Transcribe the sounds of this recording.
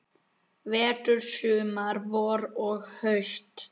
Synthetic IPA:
vɛːt̪ʏɾ̥sʏːmaɾvɔɾɔɣhœɥst̪

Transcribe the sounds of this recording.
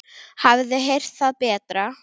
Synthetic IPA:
havðɪɦejr̥t̪θaðpɛːt̪ɾa

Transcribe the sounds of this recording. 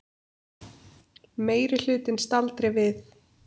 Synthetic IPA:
meːjɾɪl̥ʏːt̪ɪnst̪alt̪ɾɛvɪθ

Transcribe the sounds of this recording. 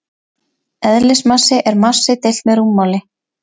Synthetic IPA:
ɛðlɪsmasɪʔɛɾmasːɪt̪ɪl̥t̪mɛɾumːawlɪ

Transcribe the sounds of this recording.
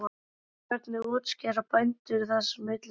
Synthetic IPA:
ɛɾt̪nɪɔːt̪scɛːɾapajnt̪ʏθasmːɪt̪l

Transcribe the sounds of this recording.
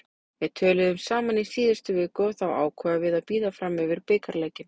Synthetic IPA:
jɛðt̪ʰœːlɪðʏmsaːmanisiːðɪst̪ʏvɪːkɔθawa̰ːwkʰɛːvavɪðaðpiːðafɾamʏvɪɾ̥pɪːkaɾlɛːjcɪn

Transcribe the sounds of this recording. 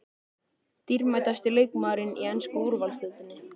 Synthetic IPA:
t̪iɾmajt̪ast̪ɪlejkmaːɾɪniɛnskʏuɾvalsɪt̪ɪnːɪ

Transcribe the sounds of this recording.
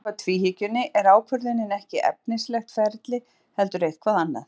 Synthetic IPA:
at̪ʰviːɦicʏnːɪʔɛɾaːwkʰvʏɾðɪnːɪnɛhcɪʔɛ̰p̚nɪnslɛxt̪fɛɾt̪lɪ | hɛlt̪ʏɾejð̥kʰvaːðanːa̰θ

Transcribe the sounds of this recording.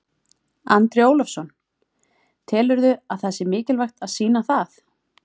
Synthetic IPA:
ant̪ɾɪoːwlɔfsɔn | t̪ʰɛːlʏɾðʏaðθɛsːɪmɪːcɪlvajxt̪aðsiːnaθaθ

